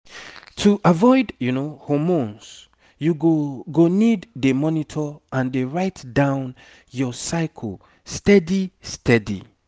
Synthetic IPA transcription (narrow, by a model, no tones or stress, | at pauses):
tʰuʔavɔɪdjunohɔmõns | juɡoɡonidːemɔnitʰɔãndeɹaɪtdãʊ̃n | jɔsaɪkʰəl | stɛdistɛdḭ